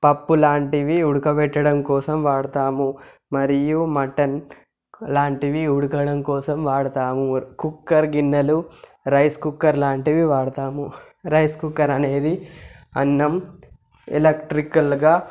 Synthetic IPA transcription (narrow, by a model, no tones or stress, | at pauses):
pɐpːulaːɳʈiʋiuɽukɐpɛʈːɐɽɐmkɔːsɐmʋaːɽɐt̪aːmumɐɾijumɐʈɐn | laːɳʈiʋiuɽukɐɽɐmkɔːsɐmʋaːɽɐt̪aːmukukːɐɾɡinːɐlu | ɾɐjskukːɐɾlaːɳʈiʋiʋaːɽɐt̪aːmu | ɾɐjskukːɐɾɐne̞ːd̪iɐ̰nːɐm | ɛ̰lɐkʈɾikɐlɡaː